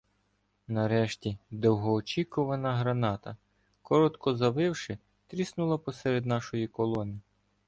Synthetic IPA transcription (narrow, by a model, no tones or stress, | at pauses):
nɐɾɛʃtʲid̪ɔwɦɔːt͡ʃʲikʊʋɐnɐɦɾɐnɑt̪ɐ | kɔɾɔt̪kɔzɐʋɪwʃɪ | t̪ɾʲisnʊlˠɐpɔsɛɾed̪nɑʃɔjikɔlˠɔnɪ